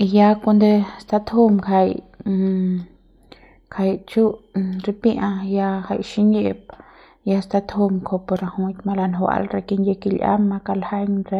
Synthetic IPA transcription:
i˧ja˧ko˧nd̪e˧st̪a˧t̪ho˦mkʰa˧j | kʰa˧jt͡ʃu˦ɾi˧pi˦ʔã˧ja˧ha˧jʃi˦ne˧˨p̚ | ja˧st̪a˧t̪ho˧mkʰo˧po˧ɾa˧hu˧t̪ma˧la˧nɦwa̰˧lɾe˧ki˧nje˧ki˧lʲʔa̰˦mːa˧ka˧lha˦jŋɾe˧

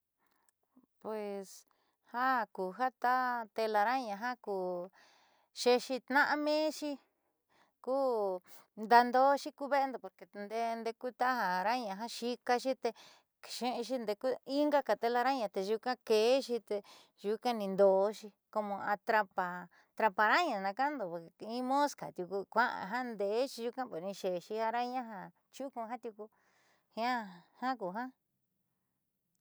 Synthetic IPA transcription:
pwe˨s | ha˦kuː˨ɦa˦t̪a˦t̪e˧la˧ɾa˦ɲã˧ɦã˦kuː˨ | ʃe˧ʃi˧t̪nã˦ʔa˧mẽ˦ʃi˦ | kuː˦ | nd̪a˧nd̪o˦ʃi˦ku˦βe˦e˧nd̪o˨po˧ɾke˨˧nd̪e˦˧nd̪e˧ku˦t̪a˦ha˨ɾa˦ɲã˨˧ɦã˦ʃi˧ka˧ʃi˦t̪e˧˨ | ʃẽ˦ʔẽ˧ʃ̬i˧nd̪e˧ku˦i˦ŋɡa˦ka˧˨t̪e˧la˧ɾa˦ɲã˧t̪e˧ʒu˧kã˦ke˨˦ʃi˧t̪e˧ | ʒu˧kã˦nĩ˧nd̪o˨˧˦ʃi˧ | ko˧mõ˧a˧t̪ɾa˧pa˧ | t̪ɾa˧pa˧ɾa˦ɲã˧nã˧ka˦nd̪o˨˧˨ĩ˦mõ˦ska̰˨t̪ʲju˧ku˧kʷã˦ʔã̰˧ɦã˦nd̪e˨˦ʃi˧ʒu˧kã˦po˨˧nĩ˧ʃe˨˧ʃi˧ha˧ɾa˦ɲã˦ɦã˧ | t͡ʃu˦kũ˧ɦã˦t̪ju˧ku˧ | hĩ˧ã˦hã˦k̬u˨ɦã˦

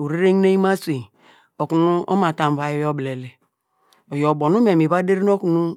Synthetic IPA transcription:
u˨ɾi˦ɾe˦ŋ˦ne˦i˦ma˦se˨ | o˨ku˨nu˦o̰˦ma˨ta˨m˨va˨˦jɔ˦jo˦ble˨le˨ | o˨jo˨bo˨nu˦me˨mi˨βa˦de˦ɾi˦o˦ku˨nu˦

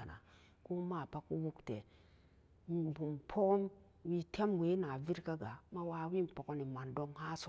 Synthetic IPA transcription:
a˨na̰˨ | ku˦ma˦˨pa˦ku˦wu˦ktḛ˨ | m˨bu˨mpʰo˦km | wi˦tʰe˦mwe˨˦na˨vi˦ɾka˦ɡa˨ma˦wa˦wi˦˨po˨ko˦ni˨ma˨ndo˦ŋha˦so˨

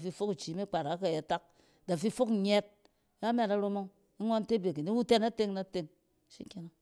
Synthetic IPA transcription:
fi˧fo˦ki˨t͡ʃi˨˦mi˦k͡pa˨ɾa˨˦ka˨je˨ta˦k̚ | da˨fi˦fo˦kɲɛ˦t̚ | ka˦mʲ˦ɛ˨ta˨ɾo˧mo˦ŋ | i˦ŋʷo˦n˦te˦be˨ki˨ni˦wu˦te˦na˦te˦ŋna˦te˦ŋ | ʃḭ˦kʲe˦na˦

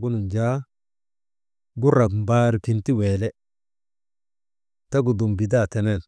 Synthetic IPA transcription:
ɡu˦nu˨nd͡ʒa˦ | ɡu˦ɾa˨km˨baː˦ɾki˨nti˦weː˨lɛ˦ | ta˦ɡu˨du˨mbi˨da˦˨tɛ˨nɛ˨l

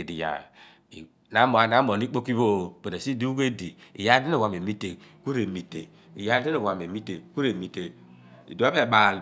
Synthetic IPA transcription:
e˨di˨ja̰˨ | na˦mo˨a˨na˨˦mo˨ni˦k͡po˦ki˦βo˦be˨ne˨si˦di˦u˦ɡe˦di˨ḭ˨ja˦di˦no˨wʷa˨m˨e˨mi˦te˨ku˦ɾe˨mi˨tḛ˨ | i˨ja˦di˦no˨a˨me˨mi˦te˨ku˦ɾe˨mi˨te˨ | ḭ˨do˨˦a˦be˦˨ba˨l

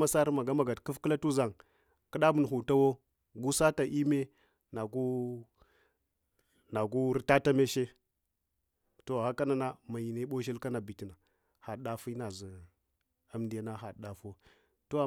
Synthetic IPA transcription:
a˦sa˦ɾma˨ɡa˦ma˨ɡa˨tku˦fkə˦la˦tu˦za˨ŋ | kə˦ɗa˦bu˨n˨ɦu˨ta˦wo˦ | ɡu˦sa˦ta˨ʔi˦me˦ | na˨ɡu˦ | na˨ɡu˦ɾi˦ta˦ta˦me˦ʃe˦ | to˨ha˦ka˦na˨na˦ma˨ji˨ne˦ɓo˦ʃi˦lka˦na˨bi˨ti˨na˨ | ha˨ɗa˦fi˦na˨zi˨ | a˦mdi˨ja˦na˦ɦa˨ɗa˨fo˦ | to˦˨

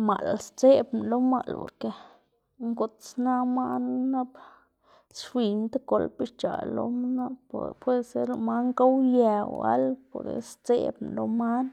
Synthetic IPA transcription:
ma˨lst͡se˦bnlo˦ma˧lpo̰˨ɾke˨ | ŋɡo˨t̪sna˦ma˦nna˦b | sfʷi˧nt̪a˦ko˧lpi˧˦ʃt͡ʃa̰˨lo̰˧˦m˦na˦ppwe˦se˦ɾo˧ma˦ŋka˦wje˧wa̰˦lpo˨ɾd̪ḛ˨st͡sḛ˦bn˨lo˧ma˦n

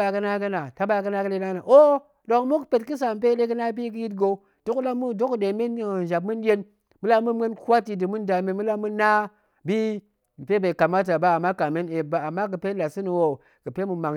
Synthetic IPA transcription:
a˨kə˦na˦ɡə˦na˨ta˦ba˨kə˦na˦kɨ˦le˦na˦na˨ʔo˦ | do˨ŋmu˦kpe˨tkɨ˦s̬a˨m˨pe˦ɗe˦kə˦na˦bi˦k̬ɨ˦ji˦t̬ɡo˨˦ | d̥o˦kla˦mu˦do˦kde˨me˦n˨nʒa˨b̚mu˦n˦je˦n | mu˦la˦mu˦mɡə˦nkwa˦ti˨dɨ˨mu˦nda˨me˨mu˦la˦mu˦nː˦a˦ | bi˦ | m̩˨pe˦ba˨ka˨ma˦t̬a˨ba˦a˨mːa˦ka˨me˦ne˨ba˨a˨mːa˦kɨ˨pe˦la˨sɨ˦nu˨wo˦ | kɨ˨pe˦mu˨ma˨ŋ

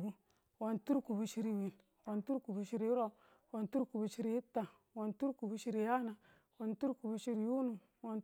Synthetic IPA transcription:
bu˨ | wo˨ntu˦ɾku˨bu˨ʃi˦ɾi˨wi˨n | wo˨ntu˦ɾku˨bu˨ʃi˦ɾi˦ɾo˦˨ | wo˨ntu˦ɾku˨bu˨ʃi˦ɾi˨i˦ta˨ | wo˨ntu˦ɾku˨bu˦ʃi˦ɾi˨ja˦na˨ | wo˨ntu˦ɾku˨bu˨ʃi˦ɾi˨ju˦nu˨ | wo˨n

